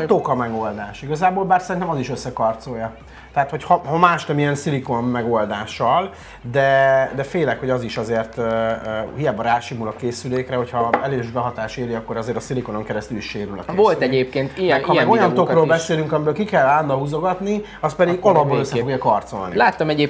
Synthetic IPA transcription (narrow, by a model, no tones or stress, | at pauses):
t̪o̞kɒmɛɡo̞ld̪aːʃiɡɒzaːboːlbaːrsɛɾint̪ɛmɒziʃøsːɛkɒrt̪so̞jɒ | t̪ɛat̪hochɒhɒmaːʃnɛmijɛnsilikomːɛɡo̞ld̪aːʃɒl | d̪ɛd̪ɛfeːlɛkhoɟɒziʃɒzeːrt̪ː | hijaːbɒɾaːʃimulɒkeːsyleːkrɛɦo̞chɒɛleːʒbɛɦɒt̪aːʃeːliɒkːo̞ɾɒzeːɾt̪ɒsilikono̞ŋkɛɾɛst̪yliʃʃeːɾylɒ̰kevolt̪ɛɟeːp̚keːnt̪iɛkmɛɡo̞jɒnokroːlbɛseːlyŋkɒmibøːlkikɛlːaːnd̪ɒɦuzo̞ɡɒt̪ni | ɒs̚pɛd̪iɡɒlɒbːoløsːɛfo̞ɡjɒkɒrt̪so̞̰lnḭlaːt̪ːɒmɛɟeːp